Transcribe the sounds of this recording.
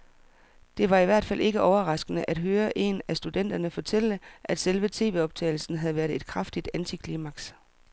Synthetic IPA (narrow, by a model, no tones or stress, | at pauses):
d̥e̝ʋɑ̈iʋæɐ̰d̥fæl̰ʔe̝ɡ̥əʔɒʊɐʁɑ̈sɡ̥ənəʔæd̥ɦøːɐʔe̝næsd̥ud̥en̰d̥ɐnəfɒ̽t͡sʰel̰d̥əʔæd̥selʋət͡sʰe̝̰ːʋe̝ɒ̽b̥̚t͡sʰɛ̰ːɪl̩sn̩ɦæð̩ˠʋæɐðˠe̝d̥̚kʰʁɑfd̥id̥ænt͡sʰikʰliːmæɡ̥s